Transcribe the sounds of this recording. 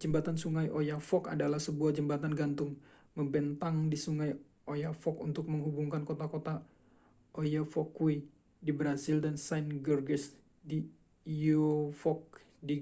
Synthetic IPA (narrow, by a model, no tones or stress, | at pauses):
d͡ʒəmbat̪ansuŋajʔojafɔka̰dalahsəbuahd͡ʒəmbat̪anɡant̪ʊŋməmbɛnt̪aŋdisuŋaj | ojafɔkunt̪ʊk̚məŋɦubuŋkankot̪akot̪a | ʔojafɔkwi | dibɾazildansanɡərɡəs | di | ofɔk̚ | di